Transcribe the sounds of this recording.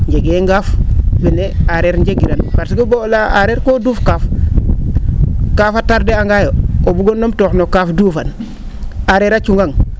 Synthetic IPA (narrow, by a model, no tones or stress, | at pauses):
ɲɟeɡeŋɡafbeneaɾeɾɲɟeɡiɾanbaɾsiɡobolaaɾeɾkodufkaf | kaːfataɾdeaŋɡajoobuɡonːomtoxnokafduːfan | aɾeɾat͡ʃuŋɡaŋ